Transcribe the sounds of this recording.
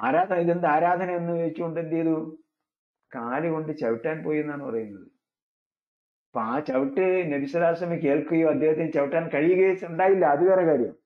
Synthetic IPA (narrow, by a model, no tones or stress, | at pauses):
aːɾaːd̪ʱɐiðend̪ɨaːɾaːd̪ʱɐnɐmenːɨʋɐɻit͡ɕːuko̞ɳɖend̪ːejɐðu | kaːlɨɣo̞ɳɖɨt͡ɕɐʋiʈːaːnpo̞ːjenːaːɳːɨpɐrɐjunːɐðɨ | poaːt͡ɕɐʋiʈːɨnebisɐðaːsɐmike̞ːɭkuɣɐjoːɐd̪ʱːeːhɐt̪ːinɨt͡ɕɐʋiʈːaːnkɐɻijuɣɐjuɳɖaːjilːɐːðikɐrɐkaːɾjɐm